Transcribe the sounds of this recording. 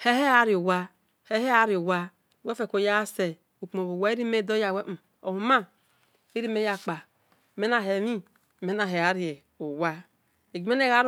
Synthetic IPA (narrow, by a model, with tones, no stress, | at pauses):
he˦he˦a˨˦ɾi˨o˨wa˦ | he˦he˦a˨˦ɾi˨o˨wa˦˨ | we˦fe˨ko˨ja˦se˨ | u˨k͡po˨o˨wa˦i˦ɾi˦me˦˨do˦ja˨we˦ʔ̩˨ | o̰˨hu˨ma˦ | i˦ɾi˦me˦ja˨k͡pa˨ | me˦na˨ɦe˨ɾi˦˨ | me˦na˨ɦe˨a˨ɾi˨e˨ | o˨wa˦ | e˨ɡe˦ne˦ɣa˦ɾ